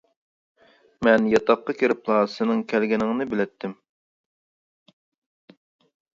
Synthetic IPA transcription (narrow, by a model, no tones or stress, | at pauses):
mɛnjɑt̪ʰɑqːɑkʲʰeɾɪplˠɑsɪnɪŋkʲʰɛlɡʲɛnɪŋnɪbɪlɛt̪ʰːɪm